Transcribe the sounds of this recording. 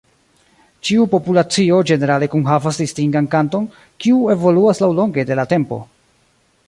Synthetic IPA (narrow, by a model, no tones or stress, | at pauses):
t͡ʃiupo̞pulat͡sio̞d͡ʒe̞ne̞ɾale̞kunɦavasdistiŋɡankanto̞n | kiue̞vo̞luaslawlo̞ŋɡe̞de̞late̞mpo̞̰